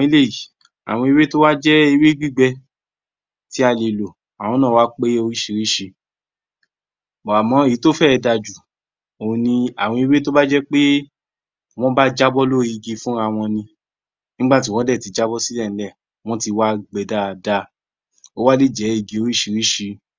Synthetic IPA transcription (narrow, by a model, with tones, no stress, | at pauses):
i˧˦le˦˨i˨ | a̰˨w̃ɔ̃˧i˧we˦to˦wa˦d͡ʒɛ˦i˧we˦ɡ͡bi˦˨ɡ͡bɛ˧ | ti˨˦a˦˧˨le˨lo˨ | a˨w̃ɔ̃˧˦nãː˦˨wa˦k͡pe˦o˧˦ɾi˦ʃi˧ɾi˦ʃi˧ | bɔ˨a˨mɔ̃˨˦e˨i˨˦to˦fɛ˦˧da˧d͡ʒu˨ | õ˨˧nĩ˧a˨w̃ɔ̃˧i˧we˦to˦ba˦d͡ʒɛ˦k͡pe˦ | w̃ɔ̃˦ba˦d͡ʒa˦bɔ˦lo˦ɾi˧ɡe˧fũ˦ɾa˧w̃ɔ̃˧nĩ˧ | nĩ˦ɡ͡ba˦˨t̬i˨˦w̃ɔ̃˦dɛ˦˨ti˨˦d͡ʒa˦bɔ˦si˦lɛ˦˨nĩ˨˦lɛ˦˨ | w̃ɔ̃˦ti˧wa˦ɡ͡bɛ˨da˦˧da˧˦ | o˦wa˦li˦˨d͡ʒɛ˨˦i˦˧ɡe˨˧o˨˦i˦ʃi˧ɾi˦ʃi˧